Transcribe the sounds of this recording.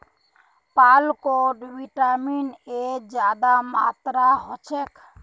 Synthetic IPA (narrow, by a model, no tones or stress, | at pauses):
palkoɖbiʈamined͡ʒad̪amat̪ɾaɦɔt͡ʃʰɛk